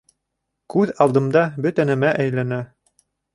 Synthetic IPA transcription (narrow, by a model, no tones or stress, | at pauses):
kʉðɑlˠd̪ɤ̆md̪ɑbɵt̪ænæmæʔæjlænæ